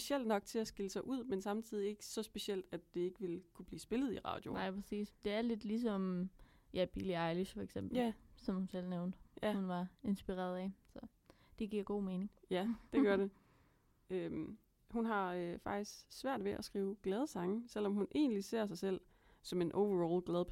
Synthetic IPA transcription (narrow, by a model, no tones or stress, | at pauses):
sb̥e̝sel̰d̥nɒ̽ɡ̥̚t͡sʰe̝æsɡ̥iləsɑ̈ɪʔuð̰ˠmensɑ̈mt͡sʰið̞̰ˠie̝ɡ̥ə̥sɒ̽sb̥e̝siel̰d̥æd̥ːe̝e̝ɡ̥əʋe̝lkʰub̥liːsb̥e̝lð̩ˠiʁɑ̰̈ːd̥jo̝nɑ̈ɪ̰pʰʁɛsḭːsd̥e̝æɐle̝d̥lis̬ɒ̽m | jæb̥iliɑ̈ɪliɕfɒeɡ̥sem̰b̥l̩sɒ̽mhunsel̰neʊnd̥əhunʋɑ̈e̝nsb̥iʁɛ̰ɐðˠɛsɒ̽ | d̥e̝ɡ̥iɐ̰ɡ̥o̝̰ːme̝ːne̝ŋjæd̥e̝̥ɶɐɾe̝ | øm | hunɦɑ̈øfɑ̈ɡ̥d̥isɡ̥sʋæɐ̰d̥ʋe̝ʔæsɡ̥ʁiːʊɡ̥lɛð̞ˠsɑ̈ŋsel̰ɒ̽mhunʔe̝̰ːnlise̝ɐ̰s̬ɑ̈ɪsel̰ | sɒ̽me̝nʔoʊʋɐʁoːlɡ̥lɛðˠʰ